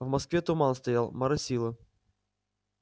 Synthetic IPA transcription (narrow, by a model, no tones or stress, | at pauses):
vmɐskvʲeɛt̪ʊmɑnˠst̪ɐjalˠmɐɾɐsʲilˠɨ